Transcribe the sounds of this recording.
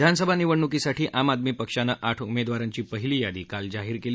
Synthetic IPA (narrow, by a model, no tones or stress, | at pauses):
d̪ʱansəbʱaniʋəɳːukisaʈʰiːʔamad̪miːpəkʂanəʔaʈʰumed̪ʋaɾaɲt͡ɕiːpəɦiliːjad̪iːkald͡zaɦiːɾkel